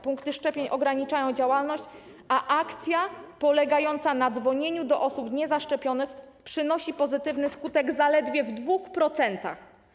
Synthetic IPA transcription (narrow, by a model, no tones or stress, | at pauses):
puŋkt̪ɘʂt͡ʂɛpʲjeɲʔɔɡɾaɲit͡ʂajɔ̃w̃d͡ʑawalnɔɕt͡ɕ | aʔakt̪sʲjapɔlɛɡajɔn̪t̪sanad̪zvɔɲeɲud̪ɔʔɔsupɲɛzaʂt͡ʂɛpʲjɔnɘx | pʂɘnɔɕipɔzɘt̪ɘvnɘskut̪ɛɡzalɛd̪vʲjɛvd̪vuxpɾɔt̪sɛnt̪a̰x